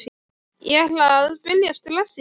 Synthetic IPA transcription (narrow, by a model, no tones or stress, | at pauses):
jɛlaðaðpɪljast̪ʰɪlasɪ